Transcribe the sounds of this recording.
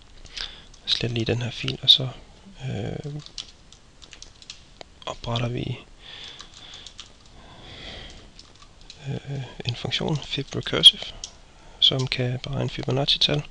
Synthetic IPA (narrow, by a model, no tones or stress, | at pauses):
sled̥liːd̥enhæɐ̰fḭːlɒsɒ̽ø | ʔɒ̽b̥ʁɑɾ̥ɐʋḭ | e̝nfɔ̽ŋɡɕo̝̰ːnfib̥ʁɛkʰøsif | sɒ̽mkʰæb̥eʁɑ̈ɪnəfyb̥onɑt͡sʰit͡sʰæl